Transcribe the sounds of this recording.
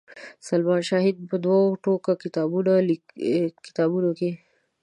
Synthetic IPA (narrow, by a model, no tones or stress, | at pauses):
salmɑʃɑɦɪd̪̚pəd̪waoʈokakɪt̪ɑbunali | kɪ̥t̪ɑbunoke